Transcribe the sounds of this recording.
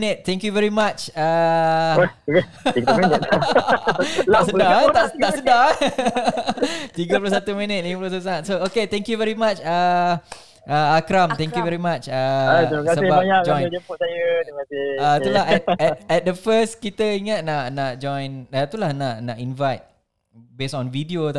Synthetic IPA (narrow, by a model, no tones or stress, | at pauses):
nət̪̚t̪ɛ̃ŋkjuvɛɹimat͡ʃa | t̪aʔsədat̪at̪aʔsəda | t̪iɡəpulosat̪umĩnət̪̚liməpulosat̪usaat̪sooket̪ɛ̃ŋkjuvɛɾimat͡ʃa | ʔaakɾamt̪ɛ̃ŋkjuvɛɾimat͡ʃaukasəebabjaʔd͡ʒɔ̃j̃d͡ʒəpʊsajəiasɪat̪ulaɦɛt̪̚ɛt̪̚ɛt̪̚d̪əfəskit̪əiŋat̪̚naʔnaʔd͡ʒɔ̃jnat̪ulahnaʔnaʔinvajt̪̚ | besɔ̃nvidiot̪